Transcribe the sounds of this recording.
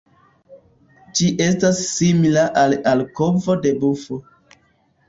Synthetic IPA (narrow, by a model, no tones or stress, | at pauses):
d͡ʒiʔe̞stasːimilaʔalalko̞vo̞de̞bufo